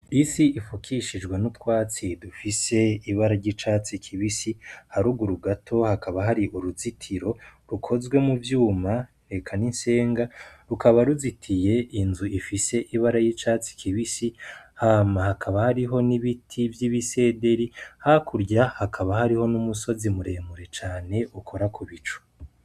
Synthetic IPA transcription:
isiifukʰiʃid͡ʒɡwenutwaːt͡sidufise̞iβaɾaɾɟit͡ʃaːt͡sikʰiβisihaɾuɡuɾuɡatʰo̞hakaβaɦaɾiʔuɾuzitʰiɾo̞ɾukʰo̞zɡwe̞muvjuːma | ɾe̞kʰaninse̞ːŋɡaɾukʰaβaɾuzitʰije̞ʔinzuifise̞ʔiβaɾajit͡ʃaːt͡si̥kʰiβisihaːmahakʰaβahaɾiɦo̞niβitʰivjiβise̞ːde̞ɾihakʰuɾɟahakʰaβahaɾiho̞numuso̞zimuɾe̞ːmuɾe̞t͡ʃaːne̞ʔukʰo̞ɾakʰuβit͡ʃu̥

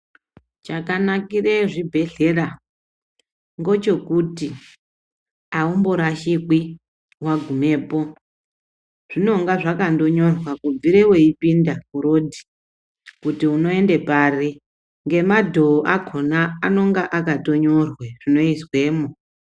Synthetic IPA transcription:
t͡ʃakanakireʐibʱe̞ɮe̞ra | ŋɡo̞t͡ʃo̞kuti | aumboɾaʃikwi | waɡʱume̞ːpo̞ | ʐ̥ino̞ŋɡaʐakando̞ɲo̞rwakuviɾewe̞ipindamuɾo̞dʱi̥ | kutiuno̞e̞nde̞paːri | ŋɡe̞madʱo̞ːʔakʰo̞naːno̞ŋɡaʔakato̞ɲo̞rweʐ̥ino̞iswe̞ːmo

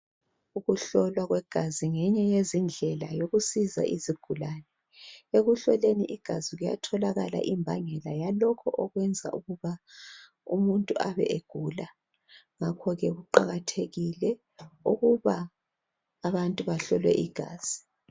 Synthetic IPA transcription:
uɣuɬɔlwaɣwɛɡ̥ʱaziŋɛɲɛjezind͡ɮʱɛlajoɣusiza̰ʔiziɡ̥ʱulaːnɛ | eɣuɬɔleniʔiɡ̥ʱaziɣuja̰tʰɔlaɣala̰ʔimbʱaŋɛlajalɔkʰɔʔɔɣwɛnd͡zʱa̰ʔuɣuβa | ṵmuntʼuʔaβɛ̰ʔeɡ̥ʱula | ŋakʰɔɣɛɣuǃaɣatʰeɣilɛ | uɣuβaː | βantʼuβaɬɔlwɛ̰ʔiɡ̥ʱa̰ːz̥i

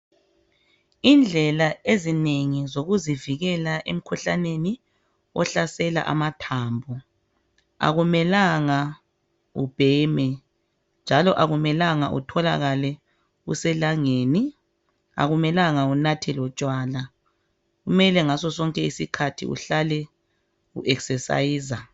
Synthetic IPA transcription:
ind͡ɮʱɛlaezineŋizoɣuziviɣɛlaʔḛm̩kʰuɬaneni | ɔɬasɛla̰ʔa̰matʰaːmbʱɔ | a̰ɣumɛlaŋa | ṵb̥ʱɛmɛ | nd͡ʒʱalɔʔaɣumɛlaŋa̰ʔṵtʰɔla̰ɣalɛ | ṵsɛlaŋeːni | a̰ɣumɛlaŋaunatʰɛlɔt͡ʃʼwaːla | ɣumɛlɛŋasɔsɔŋkʼɛisikʰatʰḭṵɬalɛ | ṵʔɛksɛsa̰iːza

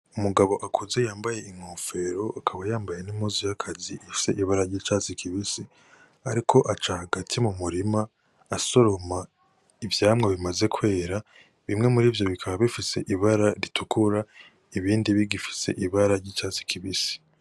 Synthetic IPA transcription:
umuɡaβo̞ʔakʰuze̞jaːmbaje̞iŋ̥hoːfe̞ɾo̞ʔakʰaβajaːmbaje̞nimhuzijakʰaziʔifi̥se̞̰ʔiβaɾaɾɟiːt͡ʃat͡sikʰiβisi | aɾikʰo̞ʔat͡ʃahaɡatʰimumuɾimaː | so̞ɾo̞ma | ivjaːmŋeβimaze̞kwe̞ːɾa | βimŋe̞muɾiːvjo̞βikʰaβaβifise̞ʔiβaɾaɾitʰukʰuɾa | iβiːndiβiɡifi̥se̞̰ʔiβaɾaɾɟiːt͡ʃaːt͡si̥kʰiβisi̥

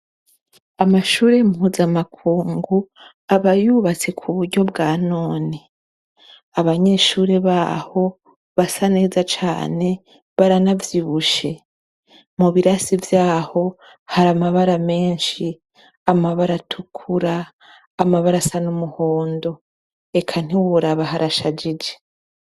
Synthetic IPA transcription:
amaʃuːɾe̞muhuzamakʰuːŋɡu | aβajuβat͡se̞kʰuβuɾɟo̞bɡaːno̞ːni | aβaɲe̞ʃuːɾe̞βa̰ːho̞ | βasane̞ːzat͡ʃa̰ːne̞ | βaɾanavjiβuʃe̞ | muβiɾasivjaːho̞ | haɾamaβaɾame̞ːnʃi | amaβaɾatʰukʰuɾaː | maβaɾasanumuho̞ːndo̞ | e̞kʰan̥iwuɾaβahaɾʔaʃad͡ʒid͡ʒe

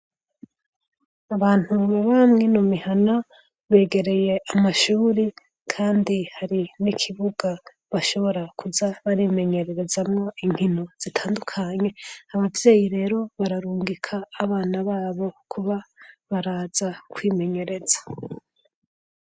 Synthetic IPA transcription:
aβaːn̥huβaβamŋinumihana | βe̞ːɡe̞ɾe̞je̞amaʃuːɾi | kʰaːndihaɾinikʰiβuɡ̥a | βaʃo̞βo̞ɾakʰuzaβaɾime̞ɲe̞ɾe̞ɾe̞zamŋo̞iŋ̥hino̞z̥itʰaːndukʰaɲe̞aβavje̞ːjiɾe̞ːɾo̞βaɾaɾuːŋɡikʰaːβaːnaβaːβo̞kʰuβaβaɾaːz̥akwiːme̞ɲe̞ɾe̞z̥ḁ

